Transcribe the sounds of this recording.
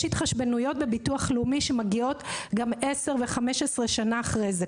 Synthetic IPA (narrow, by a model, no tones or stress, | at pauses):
itχaʃbenujo̞t̚bebituaχlumiʃemaɡio̞tɡamese̞ʁveχameʃesʁeʃanaːχʁejze